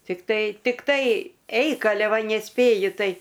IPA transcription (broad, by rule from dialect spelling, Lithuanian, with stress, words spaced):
tʲɪkˈtɐɪ tʲɪkˈtɐɪ ˈɛɪk ɐˈlʲɛ ˈʋɐ nʲɛˈsʲpʲeːjʊ ˈtɐɪ